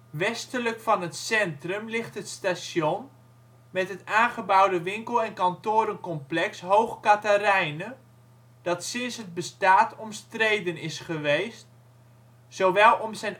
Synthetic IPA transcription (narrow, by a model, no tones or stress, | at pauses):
ʋɛstələkfɑnɦətsɛntrəmlɪχtɦətstasjɔn | mɛtɦətaːnχəbʌwdəʋɪŋkəlˠɛnkɑntʊːɾənkɔmplɛksɦowχkatarɛjnə | d̥ɑtsɪnsɦəd̚bəstaːtɔmstrejdənɪsχəʋejst | sowʋɛlˠɔmzɛjn